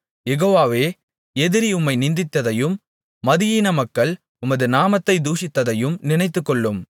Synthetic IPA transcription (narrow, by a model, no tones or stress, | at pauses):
jɛɣoːʋaːʋeː | ɛðɪɾiʊmːɐɪnɪnd̪ɪt̪ːɐðɐjɯmː | ɐðɪjiːnɐmɐkːɐɭ | ʊmɐðɯnaːmɐt̪ːɐɪd̪uːsɪt̪ːɐðɐjɯmnɪnɐɪt̪ːɯkːɔɭːɯm